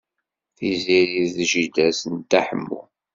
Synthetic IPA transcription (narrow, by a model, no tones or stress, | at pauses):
θiziɾiððʒid̪æsənt̪aħəmːṵ